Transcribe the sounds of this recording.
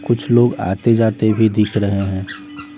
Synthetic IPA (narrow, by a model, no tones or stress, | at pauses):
kʊt͡ʃʰloːɡa̰ːt̪ed͡ʒaːt̪ebʱid̪ɪkʰɾəɦeɦɛ̃ː